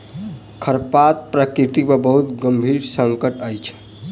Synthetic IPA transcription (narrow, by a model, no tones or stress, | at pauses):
kʰəɾpat̪̚pɾəkɾit̪ikpebəɦut̪ɡəmbʱiɾsəŋkəʈəjt͡ʃʰ